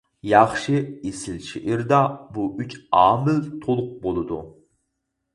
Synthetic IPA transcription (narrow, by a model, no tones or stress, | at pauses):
jɑχʃɨesɪlt͡ʃʰiʔiɾd̪ɑbuʔyt͡ʃɑːmɪlt̪ʰolˠʊq̚bolˠɨd̪u